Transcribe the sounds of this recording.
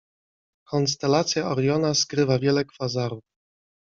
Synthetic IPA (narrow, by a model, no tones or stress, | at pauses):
kʰɔnst̪ɛlat̪sʲjaɔɾjɔnaskɾɘvavʲjɛlɛkfazaɾuf